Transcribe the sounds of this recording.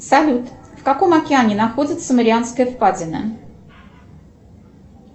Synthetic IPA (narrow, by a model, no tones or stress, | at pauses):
salʲut̪fkako̞mɐkʲɪanʲɪnaxodʲɪt̪səməɾʲɪanskəjəfpad͡zʲɪnə̰